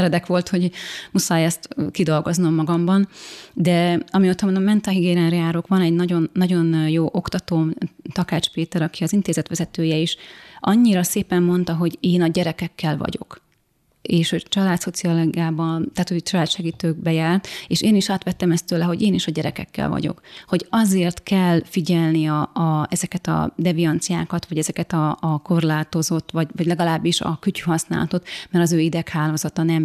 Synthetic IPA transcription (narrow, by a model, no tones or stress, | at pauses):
ɛɾɛd̪ɛkʋo̞lt̪ho̞ɟmusaːjɛst̪kid̪o̞lɡo̞znomːɒɡɒmbɒnd̪ɛɒmioːt̪ɒmonmɛnt̪ɒɦiɡeːɾɛnɾɛaːɾokʋɒnɛɟnɒɟo̞nːɒɟo̞njoːʔo̞kt̪ɒt̪oːt̪ɒkaːt͡ʃpeːt̪ɛɾɒkiɒzint̪eːzɛt̪ʋɛzɛt̪øːjɛiːʃʔɒɲːiɾɒseːpɛmːo̞nt̪ɒɦo̞ɟeːnɒɟɛɾɛkɛkːɛlvɒ̰ɟo̞̰k | eːʃho̞ɟt͡ʃɒlaːt̪so̞t̪siɒloɡaːbɒnt̪aːt̪hoɟt͡ʃɒlaːt̪ʃɛɡiːt̪øːɡ̚bɛjaːlt̪eːʃeːniʃaːt̪ʋɛt̪ːɛmɛst̪øːlɛɦo̞ɟeːniʃɒɟɛɾɛkɛ̰kːɛ̰lvɒ̰ɟo̞̰kho̞ɟɒzeːrt̪kɛlːfiɟɛlniɒɛzɛkɛt̪ɒ̰d̪ɛvijɒnt̪sija̰ːkɒt̪ʋɒɟɛzɛkɛt̪ɒːko̞rlaːt̪o̞zo̞t̪ːʋɒɟvɒɟlɛɡɒlaːbːiʃɒ̰kycyɦɒsna̰ːlɒ̰t̪o̞t̪mɛɾɒzøːid̪ɛkhaːloːzɒt̪ɒnɛm